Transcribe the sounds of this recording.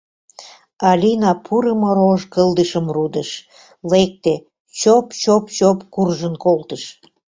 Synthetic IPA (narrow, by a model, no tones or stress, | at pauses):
ɑlʲinɑpʰuɾəmoɾoʒkəld̪əʃəmrud̪əʃ | lek̚t̪e | t͡ɕopt͡ɕopt͡ɕopkurʒənkolt̪əʃ